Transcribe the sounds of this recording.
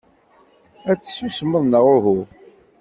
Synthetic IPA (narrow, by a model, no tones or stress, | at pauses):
æt͡sːə̥susməðˤnəʁʊɦu